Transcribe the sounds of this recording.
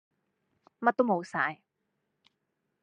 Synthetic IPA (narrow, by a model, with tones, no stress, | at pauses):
mɐ˥t̪̚ːo˥wmo˨˧wsaː˧j